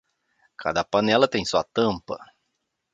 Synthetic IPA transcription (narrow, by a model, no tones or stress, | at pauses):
kʰa̰d̪ɐpɐnɛlɐt̪ẽj̃suɐt̪ɐ̃mpɐ̰